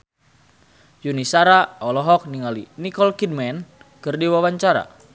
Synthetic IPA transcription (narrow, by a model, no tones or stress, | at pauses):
junisaɾaɔlɔɦɔk̚niŋalinikɔlkid̚mɛn | kɨrdiwawaɲt͡ʃaɾa̰